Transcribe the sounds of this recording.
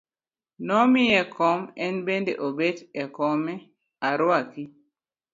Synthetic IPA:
nɔmijɛkʰɔmɛnbendḛʔobetɛkɔmɛ | aɾwaki

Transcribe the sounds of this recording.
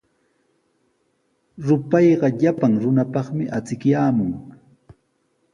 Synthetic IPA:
ɾʊpɑjɢɑʎapaŋɾʊnapɑχmɪʔat͡sɪkjaːmʊŋ

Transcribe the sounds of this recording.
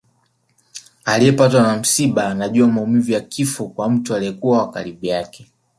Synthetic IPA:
aliɛpatwanam̩siɓanaʄuamaumivijakifɔkwam̩tualiɛkuawaka̰ɾiɓujakɛ

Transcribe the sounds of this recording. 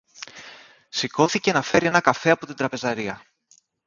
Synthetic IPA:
siko̞θice̞nɐfe̞ɾie̞nɐkɐfe̞ɐpo̞t̪ind̪ɾɐpe̞zɐɾiɐ

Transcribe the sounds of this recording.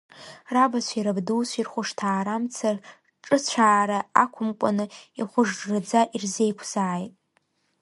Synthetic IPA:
rabasʷʰiɾabduwsʷirχʷʊʂtʰaːɾamt͡sʰar | ʈ͡ʂʼɨt͡ɕʷʰaːɾaa̰kʷʰʊmkʷʼanɨiχʷʊʐrad͡zaʔirze̞jkʷʰz̥aːjtʼ

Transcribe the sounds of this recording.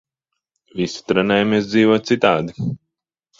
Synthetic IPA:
visi̥t̪ɾɛnɛjamiɛs̬d̪ziːvuɔt̪sit̪aːd̪i

